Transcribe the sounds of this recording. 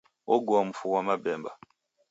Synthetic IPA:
oɡoam̩fuwamabɛmba

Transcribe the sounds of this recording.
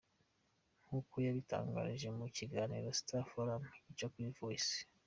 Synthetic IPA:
ŋ̥hukojaβita̰ːŋɡa̰ːɾiʒe̞muciɡaːnḭɾosi̥tafoɾamicokuivoisi̥

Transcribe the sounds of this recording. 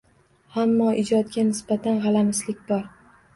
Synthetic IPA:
amːɒʔɪd͡ʒɒt̪̚ɡʲanɪsbat̪ʰanʁɑlamɪslɪkʲbɒɾ

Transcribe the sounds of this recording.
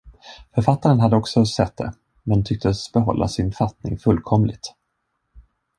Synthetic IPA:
fœɾfat̪ːaɾənɦad̪ːəɔksɔsɛt̪̚d̪ɛ̰ | mɛnt̪ʰʏk̚t̪əsbɛɦɔ̰lːa̰sɪnfat̪nɪ̰ŋfɵlːkʰɔmlɪɡt̪

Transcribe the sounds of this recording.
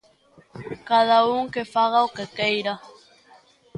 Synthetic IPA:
kaðauŋkefaɣawkekejɾa

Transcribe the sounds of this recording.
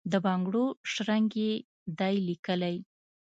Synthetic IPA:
d̪əbɑŋɡɽoʃɾaŋɡe | d̪ɑjlikəlaj

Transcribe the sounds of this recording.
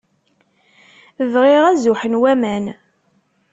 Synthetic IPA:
əvʁɪʁæzʊħənwæmæn

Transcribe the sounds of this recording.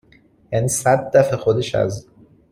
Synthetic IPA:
jæniːsæd̪ːæfexod̪e̞ʃæ̰z

